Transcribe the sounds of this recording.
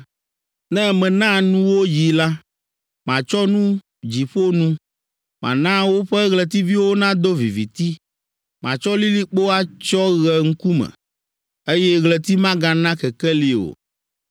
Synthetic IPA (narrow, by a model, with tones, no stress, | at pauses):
nɛ̃˦mɛ̃˨nã˦nũ˦wo˦ji˨la˦ | mã̰˨t͡ʃɔ˦nũ˦ | d͡ʑi˨ɸo˦nũ˦ | mã̰˨nã˦wo˦ɸɛ˦ɣlɛ˨t̪i˦vi˦wo˦nã˦d̪o˦vi˨vḭ˨t̪i˦ | mã̰˨t͡ʃɔ˦li˦li˦k͡po˦a˦t͡ʃɔ˦ɣɛ˨ŋ̩˦ku˦mɛ̰̃˨ | e˦jɛ˦ɣlɛ˨t̪i˦mã˦ɡa˦nã˦kɛ˨kɛ˦li˨o̰˨